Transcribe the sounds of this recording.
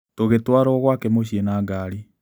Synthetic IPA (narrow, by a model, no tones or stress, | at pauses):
toɣetwaɾɔɣwakɛmoɕienaːŋɡaːɾi